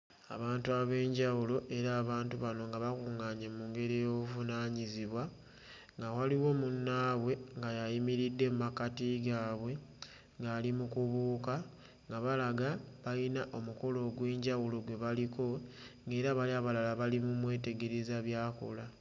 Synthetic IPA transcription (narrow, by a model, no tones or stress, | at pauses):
a̰βaːntuaβe̞ːɲɟawulo̞ʔe̞ɾaːβaːntuβano̞ŋɡaβakuŋaːɲemuːŋɡe̞ɾejoβuvunaːɲiziβwa | ŋɡawaliwo̞munːaːβwe̞ŋɡajajimiɾidːe̞mumakatiɡaːβwe̞ | ŋɡaːlimukuβuːka | ŋɡaβalaɡaβajinaʔo̞muko̞lo̞ːɡwe̞ːɲɟawulo̞ɡwe̞βaliko̞ŋɡe̞ːɾaβaliaβalalaβalimumwe̞ːte̞ɡe̞ɾezaβjaːko̰la